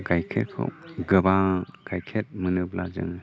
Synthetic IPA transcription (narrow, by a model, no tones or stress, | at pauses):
ɡajkʰet̚kʰɯ̰ɡɯbaɡ̥ajkʰet̚mɯnɯblazɯ̰ŋ